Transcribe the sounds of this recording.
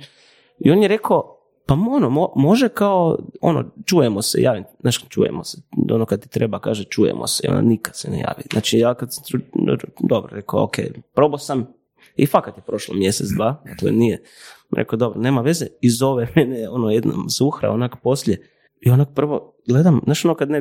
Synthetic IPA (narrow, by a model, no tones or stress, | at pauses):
io̞njeɾe̞kao | paonomomo̞ʒekaoo̰no̰t͡ʃuːjemosejʔaːʋimnaːʃt͡ʃṵːjḛmoseo̰nokad̪̚t̪i̥t̪ɾʔebakaːʒet͡ʃuːjḛmʔo̰seio̰na̰nikad̪senḛja̰ːʋḭznʔa̰t͡ʃijaːkad̪sḁmt̪ɾṵd̪o̞bɾoɾe̞ko̰o̰kʰeːjpɾo̞bosam | ifakat̪jepɾo̞ʃlˠomjeset̪d̪ʋaːaklonije | ɾʔḛkod̪o̞bɾone̞ːmaʋe̞zeizo̞ʋemeneo̞nojed̪na̰mzuxɾa̰onakpo̞slʎje | io̞nak̚pr̩ʋo̞ | ɡled̪amnaʃonokad̪ne